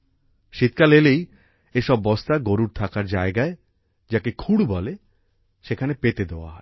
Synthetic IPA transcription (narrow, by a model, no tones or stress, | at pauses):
ʃit̪kalelej | eʃɔbːɔst̪aɡoɾuɾt̪ʰakaɾd͡ʑaeɡae | d͡ʑakekʰuɽubɔle | ʃekʰanepet̪ed̪eoa̰ɦɔ